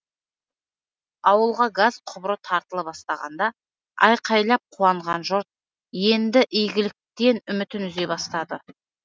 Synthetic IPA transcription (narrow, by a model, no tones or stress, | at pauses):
ɑwəlˠʁɑɡazqʰʊbɾət̪ʰɑɾt̪əlˠəpbɑst̪ɑʁɑ̰nd̪ɑ | ɑ̰jqʰɑjlˠɑp̚qʰuwɑɴʁɑnʒʊɾt̪̚ | je̞nd̪ɪʔɪjɡʲɪlɪk̚t̪e̞nʏmɪt̪ɪnʏze̞jbɑst̪ɑd̪ə